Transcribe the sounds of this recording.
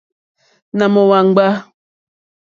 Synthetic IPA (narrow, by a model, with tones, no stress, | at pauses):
na˨mɔ˨wa˨ŋ̩˦ɡ͡ba˦